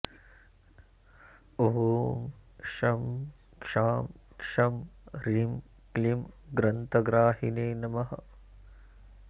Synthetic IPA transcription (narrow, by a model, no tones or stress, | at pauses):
oɦomʃɐm | kʂaːmkʂɐmɾim | klimɡɾɐnt̪ɐɡɾaːɦineːnɐmɐɦɐ̰